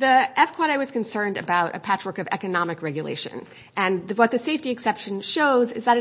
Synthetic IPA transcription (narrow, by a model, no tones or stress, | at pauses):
ðiɛfkʰw̥ɑɾawʌz̥kɨ̃nsɜ̃˞ndɨ̰baʊɾɨ̰pʰæt͡ʃɹə˞kʌvɛ̰kɨnɑmɨkɹɛɡjɨlḛɪʃɨ̰̃n | ʔɨ̃nðwʌt̪̚ðɨseɪftiɨksɛpʃɨ̃nʃoʊzɨzðəɾɨ